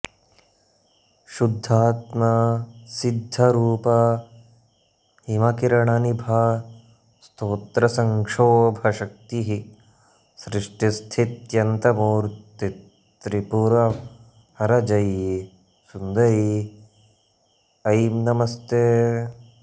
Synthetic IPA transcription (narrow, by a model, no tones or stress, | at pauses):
ʃud̪ʱːaːt̪mɐsid̪ʱːɐɾuːpɐ | himɐkiɾɐɳɐnibʱɐ | st̪ʰoːt̪ɾɐsɐŋkʂoːbʱɐʃɐk̚t̪iɦi | sɾɪʂʈist̪ʰit̪jɐnt̪ɐmuːɾt̪i | ɾipuɾɐ | hɐɾɐd͡ʒɐj | sund̪ɐɾi | ɐjmnɐmɐst̪eː